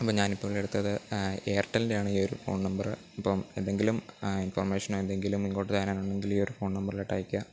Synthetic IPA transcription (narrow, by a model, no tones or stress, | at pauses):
ɐpːoːɲaːnipːoːɭe̞ɽut̪ːɐðɨeːɐrʈːɐlindeaːɳɨiːoɾufoːɳnɐmbɐrɨ | ɐpːomend̪e̞ŋɡiluminfɐrmeːʂɐnoend̪e̞ŋɡilumiŋːoːʈːet̪aːnaːnuɳɖe̞ŋɡiliːo̞ɾufo̞ːɳnɐmbɐrileʈːa̰ːjikʲːuɐ